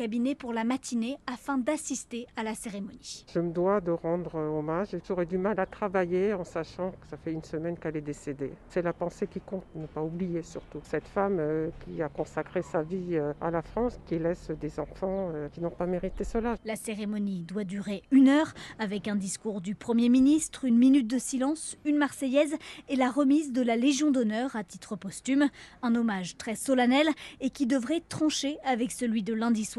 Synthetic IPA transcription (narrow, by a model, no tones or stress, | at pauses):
kabinepuʁlamat̪ʰineafɛ̃d̪asist̪ealaseʁemɔniʒ̥əməd̪wad̪əʁɑ̃d̪ʁəɔmaʒeʒɔʁɛd̪ymalat̪χavajeɑ̃saʃɑ̃kəsafɛynsəmɛnkɛlɛd̪esed̪esɛlapɑ̃sekʲikɔ̃t̪nəpaublijesyʁt̪usɛt̪famøkʲiakɔ̃sakχesaviøa̰lafχɑ̃skʲilɛsd̪ezɑ̃fɑ̃økʲinɔ̃pameʁit̪esəlalaseʁemɔnid̪wad̪yʁeynœʁavɛkɛ̃d̪iskuʁd̪ypχəmjeminist̪χynminyt̪̚d̪əsilɑ̃synmaʁsɛjɛzɛlaʁəmizd̪əlaleʒjɔ̃d̪ɔnœʁat̪it̪χəpɔst̪ymɛ̃nɔmaʒt̪χɛsɔlanɛlekʲid̪əvʁɛt̪χɑ̃ʃeavɛksəlɥid̪əlɛ̃d̪iswa